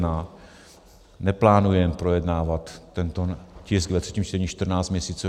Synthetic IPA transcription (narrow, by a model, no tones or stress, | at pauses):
na | nɛplaːnujɛmpɾo̞jɛdnaːvat̪ːɛnt̪ocɪsɡvɛt̪r̥ɛ̥ciːmt͡ʃt̪ɛɲiːʃt̪r̩naːt͡st̪mɲɛsiːt͡su